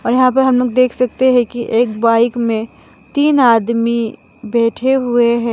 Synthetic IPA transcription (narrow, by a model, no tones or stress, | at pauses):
ɔːɾjɐɦãp̬ɐɾɦɐmloːɡd̪eːkʰsɐk̚t̪eɦɛ̃kiʔeːkbaːɪkmẽ | t̪iːnaːd̪mi | bɛːʈʰeɦʊeɦɛ̃ː